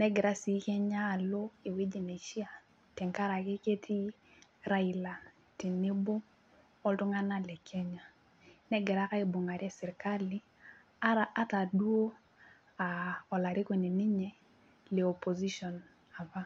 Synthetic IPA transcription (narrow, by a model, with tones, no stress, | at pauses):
nɛ˦ɡɪ˨ɾa˦si˨˦kɛ˦ɲaː˦˨lo˦i˨we˦d͡ʒi˨ne˨ʃi˦a˨ | tɛ˨ŋka˦ɾa˨ke˦ke˦tʰi˦ | ɾa˦i˨la˨ | ti˨ne˦bo˦ | ɔ˦ltu˦ŋa˦na˦lɛ˨kʰɛ˦ɲa˨ | nɛ˦ɡɪ˨ɾa˦ka˦i˨bu˨ŋa˨ɾi˦ɛ˦sɛ˨ɾka˦li˦ | a˦a˦ta˨du˦o˦ | a˨ɔ˨la˨ɾi˦ko˨ne˨ni˦ɲɛ˨ | le˨o˨po˨zi˦ʃɔ˨n | a˨va˦